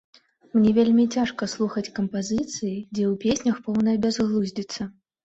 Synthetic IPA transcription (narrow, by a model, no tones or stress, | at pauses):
mnʲɛvʲelʲmʲit͡sʲaʂkɐslˠuxɐt͡sʲkɐmpazɨt̪sɨjid͡zʲɛupʲesʲnʲɐxpɔwnɐɐbʲazɣlˠuzʲd͡zʲit̪sːɐ